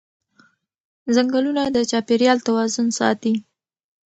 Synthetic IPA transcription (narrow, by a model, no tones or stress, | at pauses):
zaŋɡalunad̪ət͡ʃɑpeɾjɑlt̪awɑzʊnsɑ̰t̪i